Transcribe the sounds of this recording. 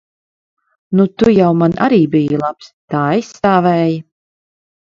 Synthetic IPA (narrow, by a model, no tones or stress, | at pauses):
nut̪ujawmanʔa̰ɾiːbijalˠapst̪aːajsaːvɛːja